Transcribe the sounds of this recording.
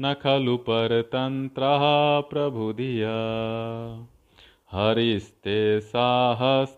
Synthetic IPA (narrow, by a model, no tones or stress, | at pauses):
nɐkʰɐlupɐɾt̪ɐnt̪ɾɐɦɐpɾɐbʱud̪ʱijɐ | hɐɾist̪eːsaːɦɐs